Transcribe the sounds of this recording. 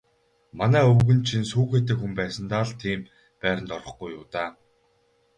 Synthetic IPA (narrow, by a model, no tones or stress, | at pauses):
manæːɵwɣɘ̆nt͡ɕʰinsuːxeːt̪ĕːkxumpæːsə̆nt̪aːɮt̪ʰiːm | pæːɾʲə̆nt̪ɔrʁɞ̆χɡujːʊːt̪aː